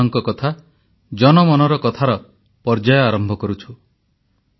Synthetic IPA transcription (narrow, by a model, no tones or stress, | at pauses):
ɔŋkɔkɔt̪ʰa | d͡ʒɔnɔmɔnɔɾɔkɔt̪ʰaɾɔ | pɔɾd͡ʒajɔaɾɔmbʱɔkɔɾut͡ʃʰu